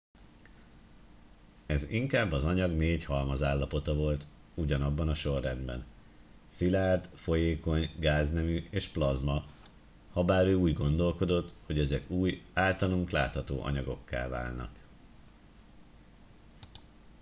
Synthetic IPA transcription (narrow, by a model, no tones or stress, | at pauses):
ɛziŋkaːbːɒzɒɲɒɡneːchɒlmɒzaːlːɒpo̞t̪ɒvo̞lt̪ | uɟɒnɒbːɒnɒʃo̞rːɛnd̪bɛ̰n | silaːrt̪fo̞jeːko̞ɲɡaːznɛmyʔeːʃplɒzmɒ | hɒbaːɾøːuːɟɡo̞nd̪o̞lko̞d̪o̞t̪ːhoɟɛzɛkuːjaːlt̪ɒluŋkla̰ːt̪hɒt̪o̰ːʔɒ̰ɲɒɡo̞kːa̰ːlva̰ːlnɒ̰k